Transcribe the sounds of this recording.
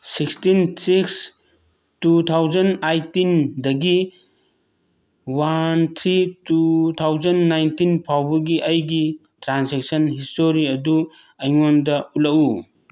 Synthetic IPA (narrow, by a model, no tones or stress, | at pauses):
sikstinsiks | tut̪ʰawzɐnajtindɐɡi | want̪ʰɾitut̪ʰawzɐnːajntinpʰawbɐɡiʔɐjɡi | tɾansek̚sɐnɦistoɾiɐdu | ɐjŋondɐulɐku